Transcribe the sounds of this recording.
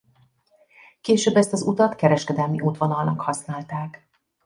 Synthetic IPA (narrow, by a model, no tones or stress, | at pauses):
keːʃøːbːɛst̪ɒzut̪ɒt̪kɛɾɛʃkɛd̪ɛlmiʔuːt̪ʋonɒlnɒkhɒsnaːlt̪aːk